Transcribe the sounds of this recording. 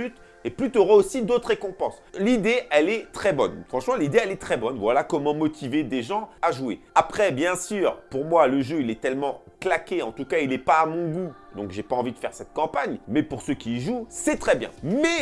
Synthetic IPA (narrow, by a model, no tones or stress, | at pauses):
yt̪ | eplyt̪yɔʁaosid̪ot̪χʁekɔ̃pɑ̃slid̪eɛlɛt̪χɛbɔnfχɑ̃ʃmɑ̃lid̪eɛlɛt̪χɛbɔnvwalakɔmɑ̃mɔt̪ʰived̪eʒɑ̃aʒwḛapχɛbjɛ̃syːʁpuʁmwaləʒøilɛt̪ɛlmɑ̃klakʲeɑ̃t̪ukailɛpaːmɔ̃ɡud̪ɔ̃kʒepaɑ̃vid̪əfɛʁsɛt̪̚kɑ̃paɲmɛpuʁsøkʲiːʒusɛt̪χɛbjɛ̰̃mɛ